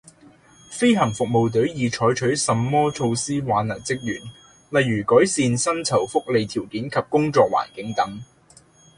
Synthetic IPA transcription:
fe˥jɦɐ˨˩ŋfʊ˨k̚mo˨˧wt̪̬ɵ˨˥ɥjiː˨˧t͡ʃʰɔː˨˥jt͡ʃʰɵ˨˥ɥsɐ˨mːɔː˥t͡ʃʰo˧wsiː˥waː˨˧nːɐ˨˩nt͡sɪ˥k̚jyː˨˩n | lɐ˨jɥyː˨˩kɔː˨˥jsiː˨˧nsɐ˥nt͡sʰɐ˨˩wfʊ˥k̚le˨˧jt̪ʰiː˨˩wkiː˨˥nkʰɐ˨p̚kʊ˥ŋt͡sɔː˧k̚wa̰ː˨˩nkɪ˨˥ŋt̪ɐ˨˥ŋ

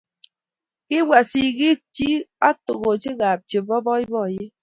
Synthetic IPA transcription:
ki˦wa˨si˨ɣi˦k̚t͡ʃi˦a˦to˨ɣo˨t͡ʃi˦ɣa˨p̚t͡ʃe˨bɔ˦bɔ˦i˦bɔ˦˨je˦

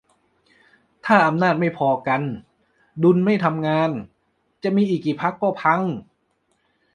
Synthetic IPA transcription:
t̪ʰaː˥˩ʔa˧mnaː˥˩t̪̚ma˥˩jpʰɔː˧ka˧n | du˧nma˥˩jt̪ʰa˧mŋaː˧n | t͡ɕa˨˩ʔmiː˧ʔiː˨˩k̚ːiː˨˩pʰa˦˥kːɔː˥˩pʰa˧ŋ

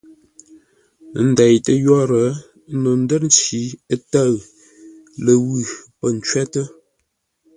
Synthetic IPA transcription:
n̩˦da˨jtə˦jɔ˦ɾə˨˦ | no˨n̩˦də˦ɾn̩˦t͡ʃi˨˦ə˦ta˦˨ɰ | lə˨wʉ˨pə˦˨n̩˨˦t͡ʃɥɛ˦tə˦

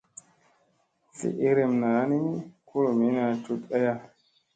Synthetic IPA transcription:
sḭ˨ʔi˦ɾe˨mna˨˦ni˦kʰu˦lo˨mi˨˦na˧˨tu˦ta˦ja˦

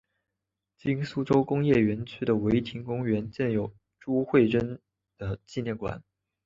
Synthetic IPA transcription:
t͡ɕi˥nsu˥ʈ͡ʂo˥ʊkʊ˥ŋjɛ˥˩ɥɛ˧˥nt͡ɕʰy˥d̪ə˨we˧˥ɪt̪ʰi˧˥ŋkʊ˥ŋɥɛ˧˥nt͡ɕjɛ˥˩njo˨˩ʊ | ʈ͡ʂu˥xwe˥˩ɪʈ͡ʂə˥n | d̪̥ə˨t͡ɕi˥˧njɛ˥˩nkwa̰˨˩˦n

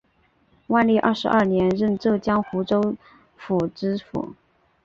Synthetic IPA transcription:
wa˥˧nli˥˧ʔə̰˞˥˩ʂɻ̩˧˥ʔɐ˞˥˩njɛ˧˥nɻə˥˧nʈ͡ʂɤ˥˧˩t͡ɕjɑ˥ŋxu˧˥ʈ͡ʂo˥ʊ | fu˨˩ʈ͡ʂɻ̩˥fṵ˨˩˦

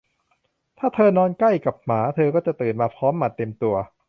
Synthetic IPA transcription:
t̪ʰaː˥˩t̪ʰɤː˧nɔː˧nka˥˩jka˨˩p̚maː˩˦t̪ʰɤː˧kɔː˥˩t͡ɕa˨˩ʔt̪ɯː˨˩nmaː˧pʰɔː˦˥mːa˨˩t̪ːe˧mt̪u˧ɐ

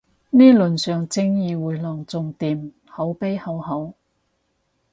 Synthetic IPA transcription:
niː˥lɵ˨nsœː˨ŋt͡sɪ˥ŋjiː˨˧wuː˨˧jlɔː˨˩ŋt͡sʊ˨˧ŋt̪iː˨m | ho˨˥wpe˥jhɐ˨˥whɐ˨˥w

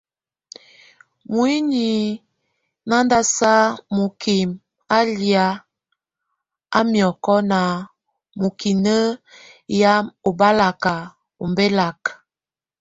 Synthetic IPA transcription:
mu˨i˦ni˨ | na˦nda˦sa˦mo˨kʰi˨m | a˦lja˦ | a˦mjɔ˨kɔ˦na˨ | mo˨ki˨nə˦ja˦o˨ba˦la˨ka˨ | o˨mbe˦la˨k

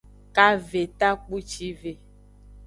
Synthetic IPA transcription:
ka˦ve˨t̪a˦k͡pu˦t͡ʃi˦ve˨

